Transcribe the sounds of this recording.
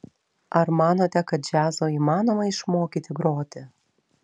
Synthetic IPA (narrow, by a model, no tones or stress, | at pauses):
ɐɾmɑːnoːt̪ʲɛkɐt̪̚d͡ʒʲæːzoːiːmɑːnoːmɐɪʃmoːkʲiːt̪ʲɪɡɾoːt̪ʲɪ